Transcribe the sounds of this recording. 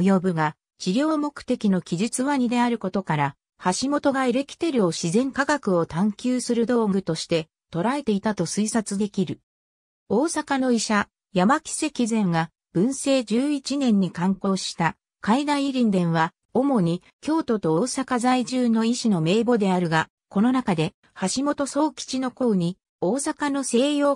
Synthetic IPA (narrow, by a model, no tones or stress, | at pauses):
jo̞bɯ̟ɡa | t͡ɕiɾʲjo̞ːmo̞kɯ̟̥t̪e̞kʲino̞kʲiʑit͡sɨβaɲ̟id̪e̞aɾɯ̟ko̞t̪o̞kaɾa | haɕimo̞t̪o̞ɡaeɾe̞kʲi̥t̪e̞ɾɯ̟o̞ɕizẽ̞ŋkaɡakɯ̟o̞t̪ãŋkʲɨːsɨɾɯ̟d̪o̞ːɡɯ̟t̪o̞ɕi̥t̪e̞ | t̪o̞ɾae̞t̪e̞it̪at̪o̞sɨisat͡sɨd̪e̞kʲiɾɯ̟ | o̞ːsakano̞iɕa | jamakʲi̥se̞kʲizẽ̞ŋɡa | b̥ɯ̟̃ɰ̃se̞ːd͡ʑɨːit͡ɕinẽ̞ɲ̟ːikãŋko̞ːɕi̥t̪a | kaid̪ãĩiɾʲĩnd̪ẽ̞ɰ̃βa | o̞mo̞ɲ̟i | kʲo̞ːt̪o̞t̪o̞oːsakazaiʑɨːno̞iɕino̞me̞ːbo̞d̪e̞aɾɯ̟ɡa | ko̞no̞nakad̪e̞ | haɕimo̞t̪o̞so̞ːkʲi̥t͡ɕino̞ko̞ːɲ̟i | o̞ːsakano̞se̞ːjo̞ː